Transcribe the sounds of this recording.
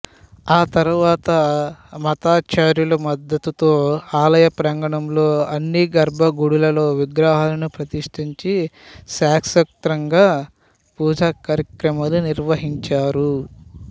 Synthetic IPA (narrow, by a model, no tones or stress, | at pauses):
aːt̪ɐɾuʋaːt̪ɐmɐt̪aːt͡ʃaːɾjulɐmɐd̪ːɐt̪ut̪oːaːlɐjɐpɾɐŋɡɐɳɐmlo̞ːɐnːiɡɐɾbʱɐɡuɽulɐlo̞ːʋiɡɾaːɦaːlɐnupɾɐt̪iʂʈiɲt͡ʃisaːksɐk̚t̪ɾɐŋɡaː | puːd͡ʒaːkaːɾɐkɾɐmaːluniɾʋɐɦiɲt͡ʃaːɾu